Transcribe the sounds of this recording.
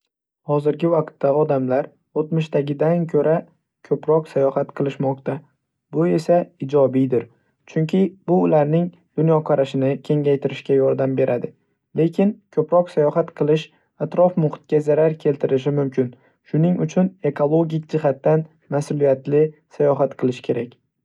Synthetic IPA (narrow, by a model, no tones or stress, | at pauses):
hɒzɪɾɡʲɪvaqt̪ːaɒd̪amlaɾ | ot̪mɪʃt̪aɡʲɪd̪ankʰɵɾa | kʲʰɵpɾɒqsajɒhat̪qʰɨlˠɪʃmɒqt̪a | bʊe̞saɪd͡ʒɒbijd̪ɪɾ | t͡ʃʰʊŋkʲʰɪbʊːlaɾnɪŋ | d̪̥ʊnjɒqʰɑɾaʃɪnɪkʲʰe̞ŋʲajt̪ʰɪɾɪʃkʲajɒɾd̪ambe̞ɾʔad̪ɪ | le̞kʲɪnkʲʰɵpɾɒqsajɒhat̪qʰɨlˠɪʃ | at̪ɾɒfmʊχt̪̚kʲazaɾaɾkʲʰe̞lt̪ʰɪɾɪʃ̬ɪmʊmkʰʲɪn | ʃʊnɪŋʊt͡ʃʰʊne̞kʰolˠo̞ɡʲɪk̚ʲd͡ʒɪɦat̪ːan | masʊlˠijat̪lɪsajɒɦat̪qʰɨlˠɪʃkʲʰe̞ɾakʲ